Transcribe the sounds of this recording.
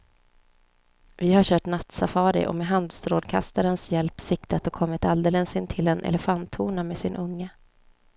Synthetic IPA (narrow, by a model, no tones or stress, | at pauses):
vɪhaɕœːʈnat̪safɑːɾɪ̰ʔɔ̰meːɦand̪st̪ɾoːd̪kʰa̰st̪aɾənsjɛlpsɪkt̪ʰat̪ɔkʰɔmːɪt̪ald̪elənsɪnt̪ʰɪlɛnɛ̰lɛfant̪ʰːuːɳameːsɪnʔɵŋːə